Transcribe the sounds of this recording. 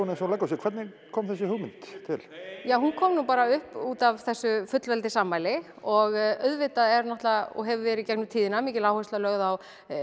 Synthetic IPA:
unɛsɔlajkːasjɛkʰvɛɾt̪nɪ | kʰɔːmθɛsːɪhʏɣmɪnt̪t̪ʰɪ̰ljaːwhunkʰɔːmnupaːɾaʏhpuːt̪avθɛsːʏfʏt̪lvɛlt̪ɪsaːmːajlɪ | ɔɣœðvɪt̪aɛɾnaht̪laɔ̰ɣɦɛvvɛːɾɪðcɛknʏt̪ʰiːðɪnamiːcɪlaːwhœst̪lalœɣðaw

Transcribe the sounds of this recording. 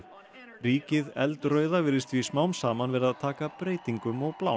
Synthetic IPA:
riːcɪðɛ̰lt̪rœːɥðavɪɾðɪst̪vismaːwnmsaːmanvɛɾaðt̪ʰaːkapɾeːjt̪iŋkʏmɔɣplaːw

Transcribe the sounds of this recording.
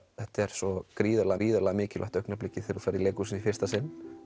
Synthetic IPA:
θɛht̪ɛɾ̥sɔkɾiːðalaiːðalaɣmɪːcɪlʔa̰ht̪œɥknaplɪcːɪθeɾufaːɾileːkusɪnifɪ̥st̪asɪnː

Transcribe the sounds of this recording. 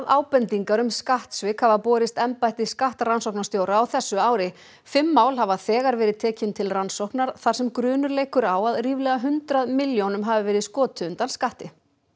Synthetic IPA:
aðaːwpɛnt̪iŋkaɾʏmskaht̪svɪkʰhavaðpɔːɾɪst̪ɛmpajht̪ɪskaht̪ɾansowhknast̪joːwɾaːwθɛsːʏaːwɾɪ | fɪmːaːwlhavaθɛːɣaɾvɛːɾɪðt̪ʰɛːcɪnt̪ʰɪlransowhknaɾ̥θaɾ̥sɛmkɾʏːnʏɾleːjkʏɾaːwaðriːvlɛɣaɦʏnt̪ɾaðmɪljownʏmɦaːvɪvɛːɾɪðskɔːt̪ʏʏnt̪anskaht̪ɪ

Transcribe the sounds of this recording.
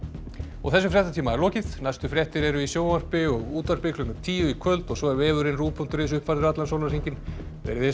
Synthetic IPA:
ɔ̰ɣθɛsːʏfɾjɛht̪at̪ʰiːmaɛɾlɔːcɪðnajst̪ʏfɾjɛht̪ɪɾɛɾʏisjoːwar̥pɪɔɣuːt̪var̥pɪklʏnat̪ʰiːjʏikʰœlt̪ɔɣsɔɛɾɛːvʏɾɪnruːpʰɔnt̪ɾesʏhpfaɾðɪɾat̪lansowlnasiɲcɪn | vɛ̰ɾɪðɪ

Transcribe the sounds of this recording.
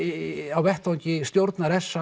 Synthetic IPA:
awvɛht̪awɲcɪst̪jowɾt̪naɾɛsːa

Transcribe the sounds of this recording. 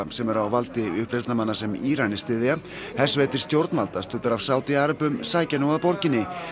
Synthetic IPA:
sɛmɛɾawvalt̪ɪʏhpɾet̪namanːasɛmiːɾanɪst̪ɪːðɪa | θɛsveːjt̪ɪ̥st̪jowɾt̪nvalt̪ast̪ʰʏːt̪aɾav̥saːwt̪ɪaːɾapʏmsaːjcanoɣapɔɾcɪnːɪ

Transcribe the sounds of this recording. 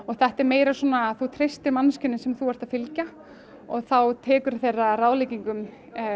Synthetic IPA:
ɔɣθɛht̪ɛɾmeːjɾasɔːnaːθut̪ʰɾejst̪ɪɾmanscɪnːɪsɛmθuvaɾ̥t̪aðfɪlca | ɔɣθawt̪ʰɛːkʏɾ̥θejrːarawlejciŋkʏm

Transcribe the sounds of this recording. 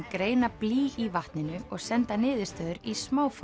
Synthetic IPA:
kɾeːjnapliːivaht̪nɪnʏɔɣsɛnt̪anɪːðɪst̪œðʏɾismaːwf

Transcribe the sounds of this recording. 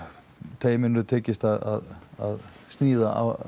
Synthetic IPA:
t̪ʰeːjɪmɪnɾʏt̪ʰɛːcɪst̪aða̰ða̰ðst̪niːðaʔa̰v

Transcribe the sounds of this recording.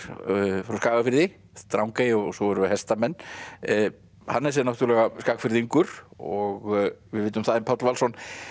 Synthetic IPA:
fɾawskaːvafɪɾðɪ | t̪ɾawŋkajɪɔsɔvɛɾʏvɪhɛst̪amɛnː | hanːɛɾsɛnawt̪uɾlɛɣaskaːkfɪɾðiŋkʏɾ̥ɔɣvɪðvɪːt̪ʏmθaðɪmpʰat̪lvalsɔn

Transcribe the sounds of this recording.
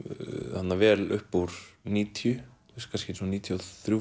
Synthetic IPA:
hat̪navɛːlʏhpuwɾ̥niːt̪ʰjʏθuskʰanscɪsɔniːt̪ʰjɔθɾju

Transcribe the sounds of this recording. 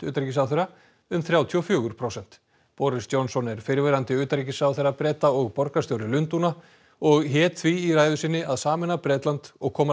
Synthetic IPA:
ʏ̰ːt̪aɾicisawθœɾa | ʏmθɾjaːwt̪ʰiɔfjʏːɣʏɾ̥pʰɾowsɛn̥t̪ | pɔɾɪst̪jɔwnsɔnɛɾ̥fɪɾvɛɾant̪ɪʏːt̪aɾic̬ɪsawθeɾapɾɛːt̪aɔɣpɔɾkast̪jowɾɪlʏnt̪una | ɔɣɦɛːt̪θviːraːjðʏsɪnːɪaðsaːmɪnːapɾɛːt̪lant̪ɔɣkʰɔːma

